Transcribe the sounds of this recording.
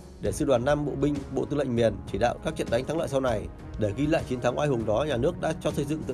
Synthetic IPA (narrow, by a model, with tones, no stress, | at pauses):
ɗe˧˩sɨ˧ɗwaː˨˩nːa˧mɓo̰˧˨ɓï˧ŋ̟ɓo̰˧˨t̪u˧lə̰˧˨ŋmi˨˩ənt͡ɕi˧˩ɗa̰ː˧˨wkaː˦˥k̚t͡ɕə̰˧˨nɗa˨˦jŋt̪ʰa˨˦ŋlə̰ː˧˨jsa˧wna˨˩j | ɗe˧˩ɣi˧la̰ː˧˨jt͡ɕi˨˦nt̪ʰaː˨˦ŋʔaː˧jɦʊ˨˩ŋ͡mɗɔ˨˦ɲaː˨˩nɨ˦˥ək̚ɗa̰ː˧˥t͡ɕɔ˧sə˧jzɨ̰˧˨t̪ɨ̰˧˨